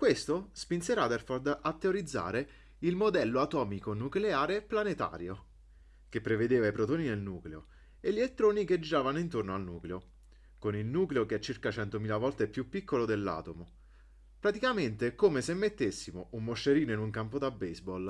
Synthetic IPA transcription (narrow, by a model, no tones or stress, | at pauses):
kwest̪ospinseɾad̪erford̪at̪ːeoɾid̪zːa̰ːɾe | ilmod̪ɛlːoat̪ɔːmikonukleaːɾeplanet̪a̰ːɾjo | k̟epːɾeved̪eːvaipɾot̪oːninelnuːkleo | eʎːiet̪ːɾoːnik̟ed͡ʒiɾaːvanoint̪ornoalnṵːkleo | konilnuːkleokeɛt͡ʃːirkat͡ʃɛnt̪omiːlavɔlt̪eɛpːjupːikːolod̪elːa̰ːt̪omo | pɾat̪ikament̪ekomesemːet̪ːesːimoumːoʃːeɾiːnoinuŋkampod̪abːejzbɔl